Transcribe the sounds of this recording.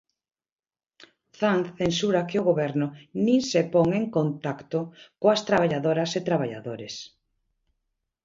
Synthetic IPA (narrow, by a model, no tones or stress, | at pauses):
θanθθensuɾakɪʊɣoβɛɾnʊnĩnsepɔŋeŋkont̪akt̪ʊkoast̪ɾaβaʎaðoɾɐset̪ɾaβ̞aʎa̰ðoɾes